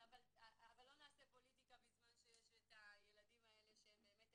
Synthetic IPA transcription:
avalaavalːo̞naːsepo̞litikamizmanʃejeʃet̪aje̞ladimae̞le̞ʃebeːmet̪

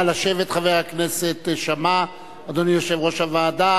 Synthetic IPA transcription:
laʃevet̪χavejhakneset̪ʃama | ad̪onijo̞ʃevʁo̞ʃavaːd̪a

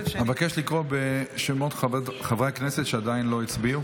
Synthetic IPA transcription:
mevakeʃlikʁobeʃemo̞t̪χavʁekneset̪ʃead̪ainlo̞it͡sbiu

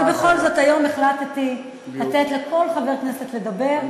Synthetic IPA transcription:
be̞χo̞lzo̞t̪ajo̞meχlat̪t̪i | lat̪et̪leko̞lχave̞ʁkneset̪le̞d̪abe̞ʁ

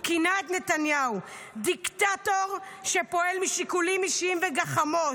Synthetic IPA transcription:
kinaet̪net̪anjau | d̪ikt̪at̪oʁʃepo̞elmiʃikulimiʃimveɡaχamo̞

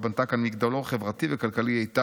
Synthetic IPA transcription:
bant̪akanmiɡd̪aloχevʁat̪ivekalkaliejt̪a

